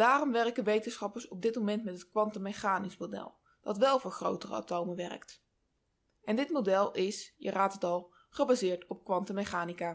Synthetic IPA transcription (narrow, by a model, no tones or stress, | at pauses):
d̥aːrɔmʋɛrkənʋejtənsχɑpəɹsɔb̚dɪtmomɛntmɛtɦətkʋɑntəmeχaːnismodɛ̰lˠ | d̥ɑtʋɛlˠvʊːɹχro̰wtərə̰a̰towməʋɛrə̰kt | ʔɛndɪtmodɛlˠɪsjə̰raːtətɑlˠ | χəbaːzɪːɹtɔp̚kʋɑntəmeχaːnika